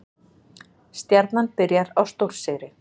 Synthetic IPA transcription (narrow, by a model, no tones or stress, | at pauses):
st̪jaɾt̪nanpɪɾjaɾawst̪owɾ̥sɪːɾɪ